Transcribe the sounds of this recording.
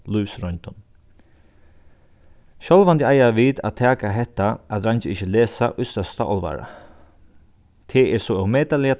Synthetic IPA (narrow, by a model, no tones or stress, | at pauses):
luːsɾɔnt̪ɔn | ʃœlʋant̪ɪajaʋiːt̪a̰t̪ʰaːkaɦɛt̪ːaʔaðɾant͡ʃəɪçəleːsaʔʊst̪œst̪a̰ʔɔ̰lʋa̰ɹa̰ | t̪ʰɛɛsɔawmɛːt̪alɪa